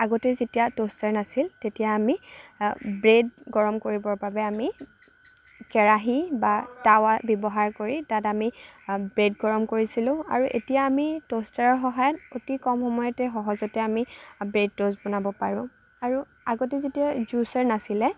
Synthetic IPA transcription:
aɡotezetijatostaɹnasiltetijaːmi | bɹedɡɔɹɔmkoɹibɔɹbabɛami | kɛɹaɦibatawabɔbɔɦaɹkoɹitatami | bɹed̚ɡɔɹɔmkoɹisilʊ̃a̰ɹuʔḛtijaːmitostaɹɔɹxɔɦajɔtotikɔmxɔmɔjɔtɛxɔɦɔzɔtɛamibɹed̚tozbɔnabɔpaɹʊ̃ | aɹu | aɡotezetiazusaɹnasilɛ

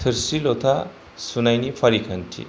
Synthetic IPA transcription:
t̪ʰəɾsilot̪ʰa | sunajnipʰʌɾikʰɐnʈʰḭ

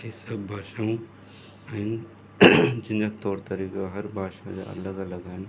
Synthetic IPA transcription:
isɐbbʱaːʃaũ | aɦɪn | d͡ʒɪnd͡ʒat̪ɔːɾt̪ɐɾiːkaɦɐɾbʱaːʃad͡ʒa̰ʔɐ̰ləɡɐləɡaːɦɪn

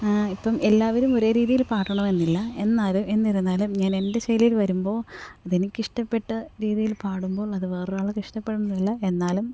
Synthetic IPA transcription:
ipːɐme̞lːaːʋɐɾumo̞ɾe̞ːɾiːðijilpaːʈːɐɳɐme̞nːilːɐe̞nːaːlume̞nːɐɾunːaːlumɲaːne̞nde̞ɕejliilʋɐɾumbo̞ːɐðinikʲːiʂʈɐpːe̞ʈːɨɾiːðijilpaːɽumbo̞ːɭɐðɨʋe̞ːraːɭɨkiʂʈɐpːe̞ɽunnːuilːɐe̞nːaːlum

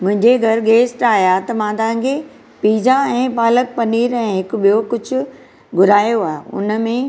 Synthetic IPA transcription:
mʊ̃ɦɪ̃ɲd͡ʑeɡʱɐɾɡeːsʈaːɦijat̪ɐmãt̪ɐɦãŋkʰe | piːd͡ʑaɛ̃ːpaːlək̚pɐniːɾɛ̃ːɦɪkʊ̆ɓijokʊd͡ʑʱʊ̆ | ɡʱʊɾaːjoaːɦeʊ̰nəmẽ

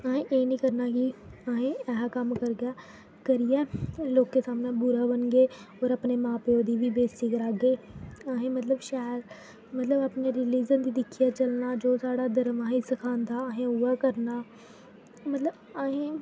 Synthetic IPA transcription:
aːɦẽːʔeːnĩːkəɾnaːkiaːɦẽːɛːɦakəmkəɾɡjaː | kəɾɪjɛːloːkːeːsaːmnãːbʊɾaːbənɡeːoːɾəpneːmãːpoːd̪iːʋiːbeːsiːkəɾaːɡeːaːɦẽːmət̪ləbʃaːɾ | mət̪ləbapneɾɪliːd͡ʒənd̪iːd̪ɪkʰːijaːt͡ʃəlnaːd͡ʒoːsaːɽaːd̪əɾmaːɦẽsəkʰaːnd̪aːɦẽʊaːkəɾnaː | mət̪ləbaːɦẽː

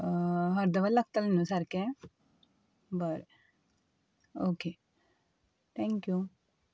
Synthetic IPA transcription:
ɦɐɾd̪ɐʋɐlːɐɡ̚t̪ɐlnũsɐɾkẽ | bɐɾ | oːkeː | t̪ʰɛ̃ŋkju

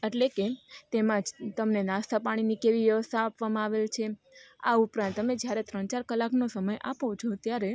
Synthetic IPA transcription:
eʈleket̪emãd͡ʒt̪əmnenast̪ʰapaɽ̃inikeʋiʋjəʋəst̪ʰaːpʋamãaʋelt͡ʃʰe | a̰upɾãnt̪ːəmed͡ʒjaɾet̪ɾəɳt͡ʃaɾkəlːaknosəməjʔapõt͡ʃʰot̪jaɾe

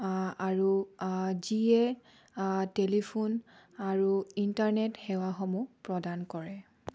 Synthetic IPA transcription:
aɹu | ziɛ | telipʰunaɹuintaɹnɛtxɛwaxɔmupɹɔdankɔɹɛ

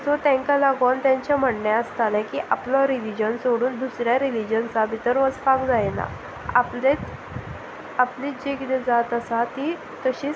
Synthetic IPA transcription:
d͡zɔt̪ɛ̃ŋkalaɡant̪jãɲt͡ɕam̤əʈɳjaəst̪alãkiʔaplɔɾilid͡ʑənsoɽuːnd̪usɾjaɾilid͡ʑənsabʱit̪əɾʋət͡sfakd͡zajna̰ | aplet̪ | apliːd͡ʑeɡid̪ed͡zat̪əsat̪iː | t̪əɕiː

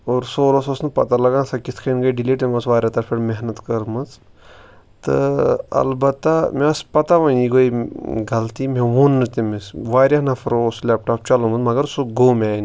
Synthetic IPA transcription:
oːɾsoːɾososnɨpɐt̪alɐɡaːnsakit̪ʰkʰenɡɐjɖiliːʈemɐsʋaːɾʲjat̪ɐɾfʰeɽmeɦnɐt̪kɐɾmɐt͡s | t̪ɨ̰ɐ̰lbɐt̪ːameɐspɐt̪aʋɐniɡoiɡɐlt̪imẽʋonːɨt̪imisʋaːɾʲjanɐfʰɐɾoːslʲaːp̚ʈaːp̚t͡ʃɐlomɐt͡smɐɡɐɾsuɡoːmʲaːjn

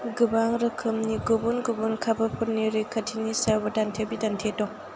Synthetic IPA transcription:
ɡɯbaŋɾɯkʰɯmniɡubunɡubunkʰabɐpʰuɾniɾɯkʰɐtʰinisabɐdantʰebidantʰetɔŋ

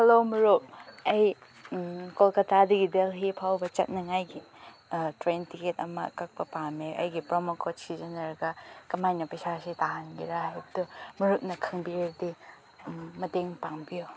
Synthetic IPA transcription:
hɐlomuɾup̚ɐj | kolkɐtʰadiɡidelɦipʰawbɐt͡ʃɐt̚nɐŋajɡi | tɾentiketɐmɐ̰kɐk̚pɐpameʔɐ̰jɡipɾomokʰosizenɐɾɡɐkɐmajnɐpɐsasitaɦanɡiɾaɦajbɐdumɐɾup̚nɐkʰɐŋbieɾdi | mɐteŋpaŋbijo

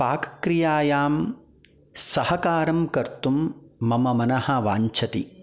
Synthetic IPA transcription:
paːkɐ̥kɾijaːjaːm | sɐhɐkaːɾɐmkɐɾt̪umːɐmɐmɐnɐhɐʋaːɲt͡ʃʰɐt̪i

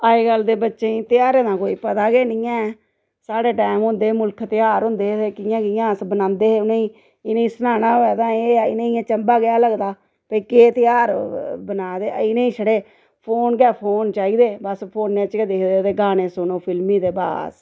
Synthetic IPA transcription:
aːeːɡəld̪eːbətːʃeːĩːt̪ɪjaːɾeːd̪ãːkoːiːpət̪aːɡeːnɪːɛ̃ː | saːɽeːʈɛːmʊ̃ːnd̪eːmʊlkʰt̪ɪjaːɾɦʊ̃nd̪eːeːkɪjãːkɪjãːsbənãːnd̪eːeʊnẽĩː | ɪnẽĩːsənaːnaːɛːd̪ãːeːɪnẽːãːt͡ʃəmbaːɡɪjaːləɡd̪aː | pəiːkeːt̪ɪjaːɾbənaːd̪eːɪnẽːĩːsəɽeː | pʰoːnɡɛːpʰoːnt͡ʃaːiːd̪eːbəspʰoːnːẽːət͡ʃɡeːd̪eːkʰd̪eːt̪eːɡaːnẽːsʊnõːpʰɪlmĩːd̪eːba̰ːs

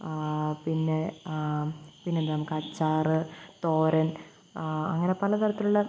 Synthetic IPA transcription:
pinːe | pinːend̪aːmkɐt͡ɕːaːrɨt̪oːɾɐn | ɐ̰ŋːɐne̞pɐlɐt̪ɐɾɐt̪ːiluɭːɐ

